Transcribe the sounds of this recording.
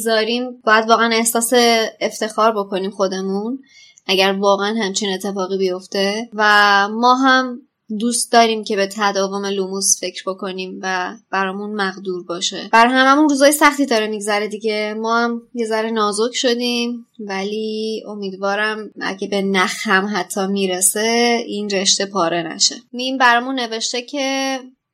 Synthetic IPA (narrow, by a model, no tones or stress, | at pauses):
zɒːɾiːmbɒːjæd̪vɒːɣeæne̞hsɒːse̞ːft̪e̞xɒːɾbo̞ko̞niːmxo̞d̪e̞mun | ʔæɟæɾvɒːɣeænhæmt͡ʃʰine̞t̪ʰːe̞fɒːɣiːbijo̞ft̪e̞væmɒːɦæm | d̪uːst̪̚d̪ɒːɾiːmcʰe̞be̞t̪ʰæd̪ɒːvo̞me̞lumusfe̞cɾbo̞kʰo̞niːmvæb̥æɾɒːmunmæɣd̪uːɾbɒːʃḛb̥æɾɦæmæmunruːzɒːjesæxt̪iːd̪ɒːɾemiɡzæɾed̪iɟe̞mɒːhæmje̞zæɾenɒːzokʰʃo̞d̪iːm | vælio̞miːd̪vɒːɾæmæ̰ɟebe̞næxhæmɦæt̪ʰːɒːmiːɾese̞inɾe̞ʃt̪e̞pʰɒːɾʔe̞næ̰ʃe̞̰mimbæɾɒːmunːe̞veʃt̪e̞cʰe̞